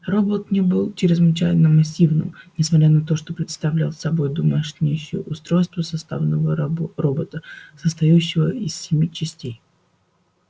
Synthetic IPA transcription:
ro̞bət̪nʲebɨlˠt͡ɕɪɾʲɪzvɨt͡ɕæjɪnəmɐsʲːivnɨ̰mnʲɪsmɐt̪ɾʲanɐt̪o̞ʂt̪o̞pɾʲɪt̪st̪ɐvlʲalˠsɐbo̞jd̪ʊmaʂnʲejɕɪ̰jə̰ʔʊst̪ɾo̞jst̪vəsɐst̪a̰vnəvəro̞bət̪əsəst̪ɐjʉɕːɪvəɪsːʲɪmʲit͡ɕɪsʲtʲej

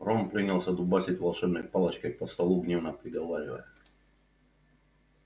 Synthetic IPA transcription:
rompɾʲinʲilˠsʲəd̪ʊbasʲɪtʲvɐlˠʂɛbnəjpalˠət͡ɕkəjpəst̪ɐlˠuɡnʲevnəpɾʲɪɡɐvaɾʲɪvə̰jə

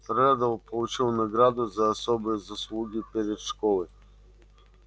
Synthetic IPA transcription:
tɾad̪əpolˠut͡ʃilˠnɐɡɾad̪əzɐːsɔbizɐslˠuɡʲipɛɾɛt̪ʃkɔlˠi

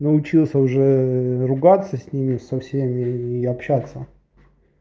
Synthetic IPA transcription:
nəʊt͡ɕilˠsʲəʊʐɛɾʊɡat̪səsʲnʲimʲɪsɐfsʲemʲɪːɐpɕat̪sːə

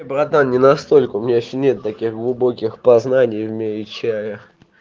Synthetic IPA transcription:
jbɾɐt̪annʲɪnɐst̪olʲkəʊmʲɪnʲeɪɕːonʲet̪t̪ːɐkʲiɣɡlˠʊbokʲɪxpɐznanʲɪjvmʲeɪt͡ɕæjə

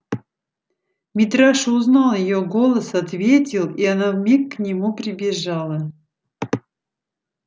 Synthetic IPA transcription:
mʲɪt̪ɾaʂʊznɑlˠjɪjoɡolˠəsɐt̪vʲetʲɪlˠianavmʲikːnʲɪmupɾʲɪbʲɪʐalˠə

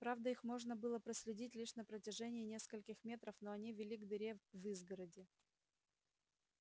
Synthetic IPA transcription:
pɾavd̪əixmo̞ʐnəbɨlˠəpɾəsʲlʲɪdʲitʲlʲiʂn̪əpɾətʲɪʐɛnʲɪːnʲe̞skəlʲkʲɪxmʲe̞t̪ɾəfn̪oɐnʲivʲɪlʲiɡd̪ɪɾʲevɨzɡəɾədʲɪ

